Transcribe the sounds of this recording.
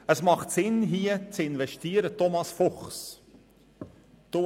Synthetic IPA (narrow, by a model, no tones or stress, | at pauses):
əsmɑχtsɪnɦiːət͡sɪnvɛʃtiːəɾətɔmɑsfɔχs | to